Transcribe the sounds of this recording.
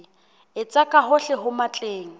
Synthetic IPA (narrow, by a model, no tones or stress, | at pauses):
ɪt͡sʼakʼaɦʊɬɪɦʊmat͡ɬʼeːŋ̩